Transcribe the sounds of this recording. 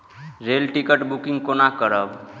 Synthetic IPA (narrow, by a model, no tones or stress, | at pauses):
ɾelʈikəʈbukĩŋɡkonakəɾəb